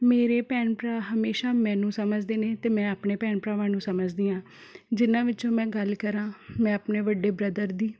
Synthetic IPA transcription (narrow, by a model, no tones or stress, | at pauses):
meːɾeːpɛːnpɾaːɦəmeːʃaːmɛ̃ːnũːsəməd͡ʒd̪eːneːt̪eːmɛ̃ːaːpɳeːpɛːɳpɾaːʋaːnũːsəməd͡ʒd̪iːãː | d͡ʒɪnãːʋɪt͡ʃõːmɛ̃ːɡəlkəɾãːmɛ̃ːəpɳeːʋəɖːeːbɾəd̪əɾd̪iː